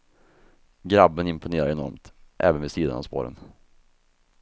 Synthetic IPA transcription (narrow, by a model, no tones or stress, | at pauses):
ɡɾabːənɪmpʊneːɾaɾɛnɔɾmt̪ʔɛ̰ːvənvɛsiːd̪a̰na̰vspo̰ːɾə̰n